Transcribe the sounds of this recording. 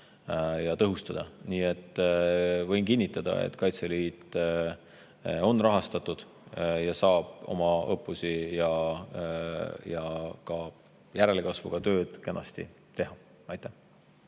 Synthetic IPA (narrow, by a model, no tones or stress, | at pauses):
jɑt̪ɤɦust̪ɑd̪̥ɑ̰niːe̞t̪ː | vɤ̞jnkinʲːit̪ːˑɑd̪̥ɑ̰ḛt̪ːˑkɑjt̪seliːt̪ːˑ | o̞nrɑɦɑst̪ɑt̪ːˑud̪̥ | jɑsɑːb̥o̞̰mɑɤpːˑusijɑ | jɑkɑ | jæɾe̞lekɑsvṵɡ̥ɑt̪ø̞ːd̪̥kenːɑ̰st̪ḭ | t̪e̞ɦɑ | ɑjt̪ːˑæh